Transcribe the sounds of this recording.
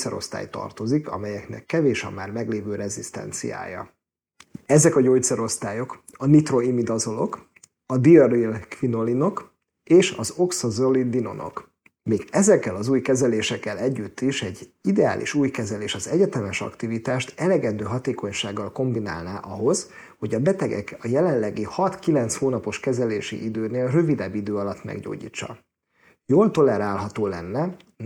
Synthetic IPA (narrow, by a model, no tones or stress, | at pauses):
sɛɾo̰st̪a̰ːjt̪ɒ̰rt̪o̞zikɒ̰mɛjɛknɛ̰kːɛveːʃɒ̰mːaːrmɛɡleːvøːɾɛzist̪ɛ̰nt̪sḭja̰ːjɒ̰ | ɛzɛkɒɟo̞ːjt̪sɛɾo̞st̪aːjo̞kɒnit̪ro̞imid̪ɒzo̞no̞̰k | ɒd̪iɒɾilkfino̞lino̞k | eːʃɒzo̞ksɒzolid̪ino̞̰no̞̰k | meːɡɛzɛkːɛlɒzuːjkɛzɛleːʃɛkːɛlɛɟːyt̪ʰːiʃɛɟːid̪ɛa̰ːlʔḭʃuːjkɛzɛleːʃɒzɛɟɛt̪ɛmɛʃɒ̰kt̪ivit̪aːʃt̪ɛlɛɡɛnd̪øːɦɒt̪eːko̞ɲʃaːɡːɒlko̞mbina̰ːlnaːʔɒɦo̞z | ho̞ɟɒbɛt̪ɛɡɛ̰kɒjɛlɛllɛɡihɒt̪kilɛnt̪shoːnɒpo̞ʃkɛzɛleːʃḭʔid̪øːneːlrø̞vid̪ɛbːid̪øːɒlɒt̪mɛ̰ɡɟo̰ːɟḭːt͡ʃːɒ̰ | joːlt̪o̞lɛɾaːlɦɒt̪oːlɛnːɛ